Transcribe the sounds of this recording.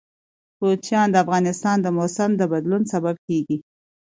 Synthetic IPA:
pot͡ʃjɑnd̪əafɣɑnɪst̪ɑnd̪əmosamd̪əbad̪lunsabab̚keɡi

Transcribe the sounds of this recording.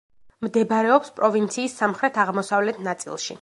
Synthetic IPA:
md̪ɛbaɾɛɔpspʼɾɔvint̪sʰiːsːamχɾɛt̪ʰaʁmɔsavlɛt̪ʰnat̪sʼḭlˠʃḭ

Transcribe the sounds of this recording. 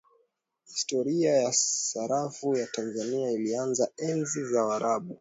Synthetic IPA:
histɔɾiajasaɾafujatanzaniailianzaɛnzizawaɾʔaɓu

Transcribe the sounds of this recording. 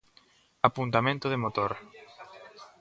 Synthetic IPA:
apunt̪amẽnt̪ʊðɪmot̪oɾ

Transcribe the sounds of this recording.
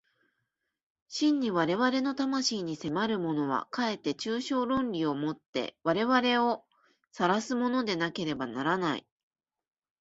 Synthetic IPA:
ɕĩɲ̟ːiβaɾe̞βaɾe̞no̞t̪amaɕiːɲ̟ise̞maɾɯ̟mo̞no̞β̞a̰kae̞t̪ːe̞t͡ɕɨːɕo̞ːɾõ̞nɾʲio̞mo̞t̪ːe̞̰βaɾe̞βaɾe̞o̞ | saɾasɨmo̞no̞d̪e̞nake̞ɾe̞banaɾanaḭ

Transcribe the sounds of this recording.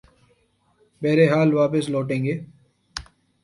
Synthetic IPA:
beːɾeɦaːlʋaːpɪsloːʈẽːŋɡeː

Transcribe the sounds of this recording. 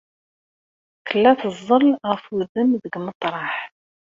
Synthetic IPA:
θəlːæθəzˤːəlʁəfwuðəmðəɡmət̪ˤɾˤɑħ

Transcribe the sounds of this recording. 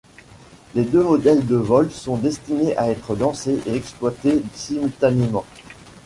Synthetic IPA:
led̪ømɔd̪ɛld̪əvɔlsɔ̃d̪ɛst̪ineʔaɛt̪χəlɑ̃seʔeɛksplwat̪esimylt̪anemɑ̃

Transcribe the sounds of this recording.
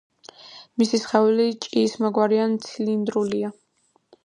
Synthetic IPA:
misisχɛvlit͡ʃʼiːsmɔɡwaɾiant̪sʰilind̪ɾulia

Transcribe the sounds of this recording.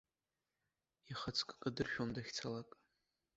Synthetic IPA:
iχət͡sʰʼkʼkʼadɨrʃᶣomdaχʲt͡sʰalakʼ

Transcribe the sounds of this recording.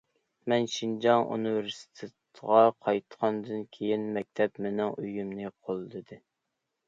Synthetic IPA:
mɛnʃind͡ʒɑŋʔṵnɨvɪɾsi̥t̪ʰɪt̪ʁɑqʰɑjt̪ʰqʰɑnd̪ɨnkʲʰejinmɛk̚ʲt̪ʰɛpmɪnɪŋøjymnɨqʰolˠd̪ɨd̪ɨ

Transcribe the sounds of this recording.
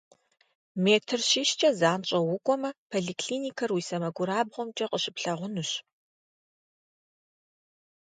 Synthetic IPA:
meːtʰɨrɕiʃt͡ʃʼɐzaːnt͡ʃʼɐwʊkʷʼɔmɐpʰoɮiːkʰɬiːnikʰɐrwiːsɐmɐɡʷʊɾaːbʁʷɔmt͡ʃʼɐqʼəɕɪpɬɐʁʷʊnuɕ

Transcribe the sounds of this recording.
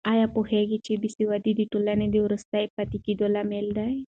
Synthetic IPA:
ajapoheɡit͡ʃibisiwad̪id̪iʈulaned̪iuɾəst̪ajpat̪ikid̪olameld̪aj

